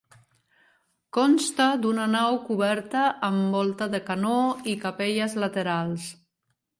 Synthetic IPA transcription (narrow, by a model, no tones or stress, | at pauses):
kɔnst̪əd̪unənawkuβ̞ɛɾt̪əʔːmbɔlˠt̪əðəkanoikapeʎəzlət̪eɾalˠs